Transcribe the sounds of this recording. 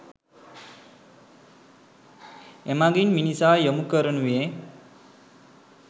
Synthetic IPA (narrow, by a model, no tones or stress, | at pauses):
emaɡinminisaːjjəmukəɾənuʋe